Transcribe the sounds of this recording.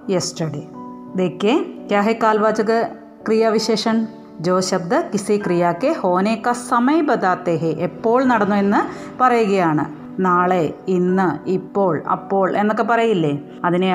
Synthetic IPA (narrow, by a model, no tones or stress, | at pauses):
jesʈɐɽe | d̪ekːekjaːɦekːaːlʋaːd͡ʑɐɣɨ | krijaːʋiɕeːʂɐɳ | d͡ʑo̞ːɕɐb̚d̪ɨkisikrijaːkːeho̞ːneːkːɐsɐmɐjbɐd̪aːt̪ːeːɦeʔepːo̞ːɭnɐɽɐnːue̞nːɨ | pɐrɐjuɣɐjaːɳɨ̰ | naːɭeinːɨipːo̞ːɭɐ̰pːo̞ːɭʔe̞nːokːe̞pɐrɐjilːe | ɐðine